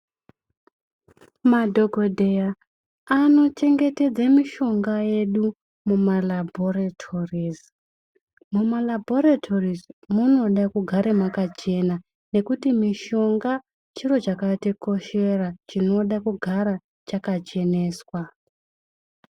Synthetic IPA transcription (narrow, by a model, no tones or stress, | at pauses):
madʱo̞ɡʱo̞dʱe̞ja | ano̞t͡ʃe̞ŋɡe̞te̞d͡zamiʃo̞ŋɡaje̞ɗu | mumalabʱoratʰoriz | mumalabʱoɾatʰorizmuno̞ɗakuɡʱaɾemakat͡ʃe̞na | ne̞kutimiʃo̞ŋɡa | t͡ʃiro̞t͡ʃakatiko̞ʃe̞rat͡ʃino̞ɗakuɡʱaɾa | t͡ʃakat͡ʃe̞ne̞ːswa